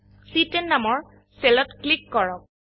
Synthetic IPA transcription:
sitɛnːamɔɹ | sɛlɔtklikːɔɹɔk̚

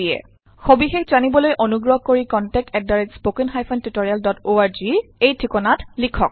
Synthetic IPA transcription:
ijɛ̰ | xobixexzanibɔlojʔɔnuɡɹɔɦkoɹikɔntɛk̚tɛt̚daɹid͡ʒspokinxajpʰɔntutoɹialdɔtoaɹziejtʰikɔnatlikʰɔk̚

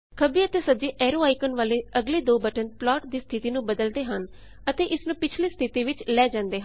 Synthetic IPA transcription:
kʰəbiːət̪eːsəd͡ʒeːʔɛːɾoːaːikənʋaːleːəɡleːd̪oːbəʈənplɔːʈd̪iːst̪ʰɪt̪iːnũːbəd̪əld̪eːɦən | ət̪eːʔɪsnũːpɪt͡ʃʰliːst̪ʰɪt̪iːʋɪt͡ʃlɛːd͡ʒãːnd̪eːɦ

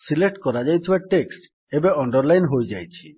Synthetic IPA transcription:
silek̚ʈkɔɾad͡ʒajtʰibaʈeksʈ | ebeɔɳɖɔɾlajnɦojd͡ʒajt͡ʃʰi

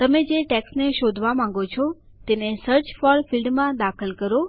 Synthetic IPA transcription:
t̪əmed͡ʒeʈɛksneʃod̪ʱʋamãŋ̆ɡot͡ʃʰɔ | t̪enesəɾt͡ʃfɔɾfilɖmãd̪akʰəlkəɾo

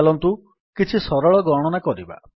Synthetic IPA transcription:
lɔnt̪u | kit͡ʃʰisɔɾɔɭɔɡɔɽ̃ɔnakɔɾiba̰

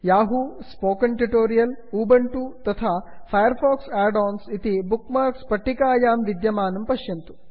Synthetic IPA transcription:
jaːɦuspoːkɐɳʈiʈoːɾijɐluːbɐɳʈut̪ɐt̪ʰaːpʰɐjɐɾpʰɔːksɛːɖaːnsit̪ibukmaːɾkspɐʈːikaːjaːmʋid̪jɐmaːnɐmpɐʃjɐnt̪u̥

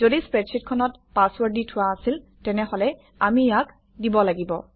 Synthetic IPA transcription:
zodispɹɛtsit̚kʰɔnɔt | paswaɹditʰʊaːsil | tɛnɛɦɔlɛ | amijak | dibɔlaɡibɔ̰

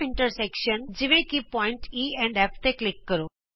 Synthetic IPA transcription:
iɳʈəɾsekʃənd͡ziʋĩkipɔiɳʈiɛ̃ɳɖeft̪eklikːəɾo

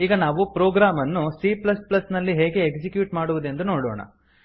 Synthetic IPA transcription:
iːɡɐnaːʋupɾoːɡɾaːmɐnːusiplɐsplɐsnɐlːiɦeːɡe̞ːkd͡ʒikjuːʈmaːɽuʋud̪end̪uno̞ːɽo̰ːɳɐ̰

